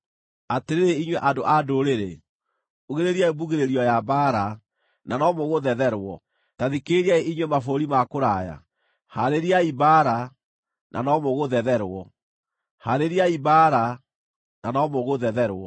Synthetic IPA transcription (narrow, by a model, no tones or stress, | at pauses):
ateɾeɾeiɲweʔandoʔadoɾeɾe | uɣeɾeɾjaebuɣeɾeɾiɔjabaːɾa | nanɔmoɣoðɛðɛɾwɔ | taðikeɾiaeiɲwemafoɾimakoɾaja̰ | haɾeɾiaibaɾa | nʔa̰nɔmoɣoðɛðɛɾwɔ | haɾeɾiaibaɾa | nʔa̰nɔmoɣoðɛðɛɾwɔ